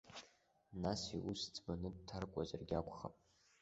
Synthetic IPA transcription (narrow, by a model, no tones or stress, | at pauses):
nasiʔusd͡zʰʼbanɨd̚tʰarkʷʼazarɡʲakʷʰʼχa̰pʼ